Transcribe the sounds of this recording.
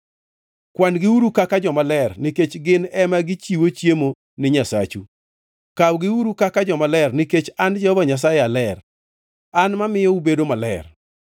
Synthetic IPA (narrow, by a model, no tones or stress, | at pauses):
kwanɡɪwuɾukakad͡ʒɔmalɛrniket͡ʃɡɪnɛmaɡɪt͡ʃiwot͡ʃjemo | nɪɲasat͡ʃu | kawɡɪwuɾukakad͡ʒɔmalɛrniket͡ʃand͡ʒaɔvaɲas̬ajealɛr | anmamɪjɔubedomalɛ̰r